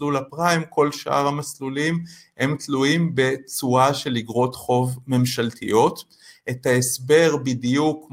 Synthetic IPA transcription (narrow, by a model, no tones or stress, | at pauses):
lulapʁaimko̞lʃʔa̰ʁamaslulimhe̞mtluimbe̞t͡suaʃe̞liɡʁo̞t̪χo̞vme̞mʃalt̪ʰḭjo̞t | et̪haesbe̞ʁbid̪ijuk